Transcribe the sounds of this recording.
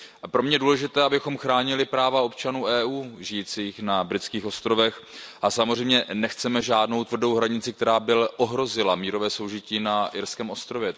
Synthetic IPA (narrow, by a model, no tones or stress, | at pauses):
ʔapɾomɲɛjɛduːlɛʒɪt̪ɛːʔabɪxo̞mxɾaːɲɪlɪpɾaːvao̞pt͡ʃanuːʔɛːʔuːʒɪjiːt͡siːxnabɾɪt͡skiːxo̞st̪ɾo̞vɛxʔasamozrɛjmɲɛnɛxt͡sɛmɛʒaːdno̞wt̪vr̩do̞wɦɾaɲɪt͡sɪk̚t̪ɛɾaːbɪlɛʔo̞ɦɾo̞zɪlamiːɾo̞vɛːso̞wʒɪciːnaʔɪɾskɛːmo̞st̪ɾo̞vjɛ